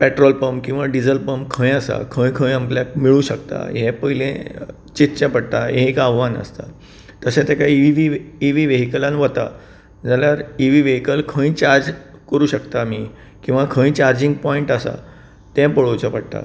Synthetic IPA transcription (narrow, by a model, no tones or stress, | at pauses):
pɛʈɾɔlpəmpkĩw̃ʋaɖid͡zəlpəmkʰə̃jasa̰kʰə̃jkʰə̃jamkljak̚miɭũːɕəkt̪a̰ɦɛ̃pəɦilẽ | t͡ɕit̪t͡ɕapəɽt̪ajẽkaʋʋanə̰st̪a | t̪əsẽt̪ɛkaiiʋiiʋiʋeɦikəlãnʋət̪a̰ | d͡zaljaɾiʋiʋeɦikəlkʰə̃jt͡ɕaɾd͡zkəɾuːɕəkt̪amiː | kĩw̃ʋakʰə̃jt͡ɕaɾd͡ʑiŋɡ̚pɔiɳʈasa̰ | t̪ɛ̃pəɭot͡ɕapəɽt̪a̰